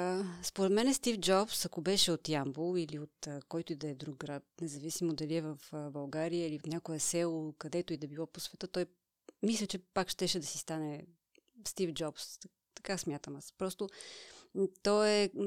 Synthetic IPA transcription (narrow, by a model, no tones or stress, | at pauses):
spoɾɛt̪mɛnɛst̪ifd͡ʒɔpsɐkobɛʃɛot̪jambolˠiliot̪ːkɔjt̪ʊid̪ɐɛd̪ɾuk̚ɡɾat̪̚nɛzɐvisimod̪ɐliɛvɐfbɐlˠɡaɾijəiliot̪nʲakoɛsɛlˠokɐd̪ɛt̪ʊid̪ɐbilˠɔposvɛt̪ət̪ɔj | mislʲət͡ʃɛpakʃt̪ɛʃɛd̪ɐsi̥st̪anɛ | st̪ifd͡ʒɔps | t̪ɐ̥kasmʲjat̪əmaspɾɔst̪o | t̪ɔɛ